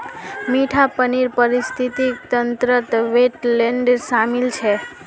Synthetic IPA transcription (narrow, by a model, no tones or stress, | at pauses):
miʈʰapəniɾpəɾist̪ʰit̪ikt̪ənt̪ɾət̪ʋeʈleɳɖsamilt͡ʃʰe